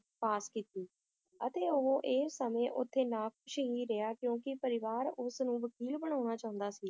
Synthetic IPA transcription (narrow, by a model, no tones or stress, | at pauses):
paːskiːt̪iː | ət̪eːʊɦõːʔeːsəmẽːʔʊt̪ʰːeːnaːkʊʃɦiːɾeaːkjõːkɪpəɾɪʋaːɾʊsnũːʋəkiːlbəɽ̃aːʊnaːt͡ʃaːɦʊ̃nd̪aːsiː